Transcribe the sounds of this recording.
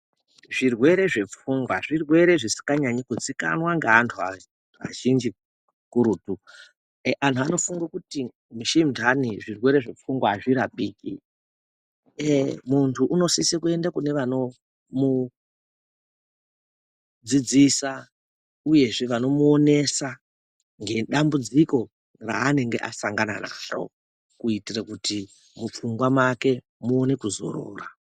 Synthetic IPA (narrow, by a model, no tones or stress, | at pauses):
ʐirwe̞ɾe̞ʐe̞p͡fuŋɡwaʐirwe̞ɾe̞ʐisi̥kɡaɲaɲikud͡zika̰nwaŋɡaːntʰua̰ | a̰ʒind͡ʒi | kuɾutu | ʔantʰuano̞fuŋɡakuti | muʃimndʱaniʐirwe̞ɾe̞ʐe̞p͡fuŋɡwaːʐiɾapiːkḭ | muntʰuʔuno̞sisekue̞ndakune̞ʋano̞ | mu | d͡zid͡zisa | uje̞ʐeʋano̞muone̞sa | ŋɡe̞ɗambud͡ziko̞ | ra̰ːne̞ŋɡe̞̰ʔa̰saŋɡanana̰ro̰ | kuitirakuti | mup͡fuŋɡwamwake̞ | muone̞kuzo̞̰ro̰ːra